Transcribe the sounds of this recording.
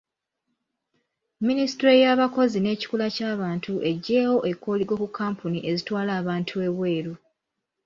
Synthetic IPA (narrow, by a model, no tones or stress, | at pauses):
ministɾejaːβako̞zine̞ːci̥kulacaːβaːntʰuʔe̞ɟːe̞ːwo̞ʔe̞kːo̞ːliɡo̞kukʰːaːmpʰuniʔe̞zitwaːlaːβaːntʰue̞βwe̞ːɾu